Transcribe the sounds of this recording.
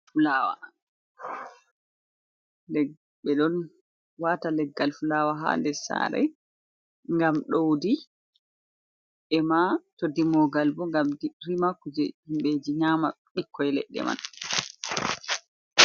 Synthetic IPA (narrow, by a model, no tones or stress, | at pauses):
fulaːwa̰ | lɛ | ɓɛɗɔn | watalɛɡːalfulaːwaɦa̰ndɛsa̰ɾɛ̰j | ŋɡamɗowdi | ʔɛmatodːimɔɡalbɔŋɡamdirimakud͡ʒɛ̰himɓeːd͡ʒiɲaːma | ɓikʰːɔjlɛ̰ɗːɛ̰ma̰n